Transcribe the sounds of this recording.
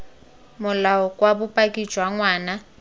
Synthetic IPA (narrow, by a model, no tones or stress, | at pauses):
mʊlaɔkʼwabʊpʼakʼi̥ʒ̥ʱwaŋwaːna